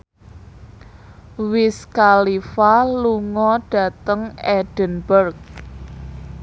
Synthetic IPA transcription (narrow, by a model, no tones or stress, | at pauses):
wɪskalifaluŋɔɖ̥ä̤t̪əŋɛɖ̥ə̤nbərk̚